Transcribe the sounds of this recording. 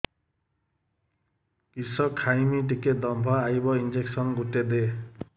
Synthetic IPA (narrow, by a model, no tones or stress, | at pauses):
kisɔkʰːajmiʈiket̚d̪ɔmbʱɔajbɔind͡ʒeksɔnɡuted̪e